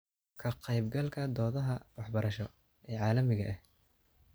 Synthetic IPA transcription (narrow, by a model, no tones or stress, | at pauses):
kʰɐqɑjbɡɐlkʰɐd̪ɔːðɐɦɐwɑħbɐɾʔɐʃɔ | ɛːʕɑːlɐmɪɣɐʔɛh